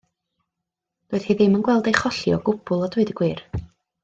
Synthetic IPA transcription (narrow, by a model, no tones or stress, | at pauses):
d̥oɨð̥hiðɪmənɡwɛlˠdejχɔɬjɔ̰ɡʊbʊlˠɔdʊɨdəɡwɨr